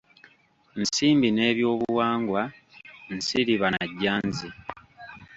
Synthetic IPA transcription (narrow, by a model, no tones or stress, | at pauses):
nsiːmbine̞ːβjo̞ːβuwaːŋɡwansiɾiβanaɟːaːnzi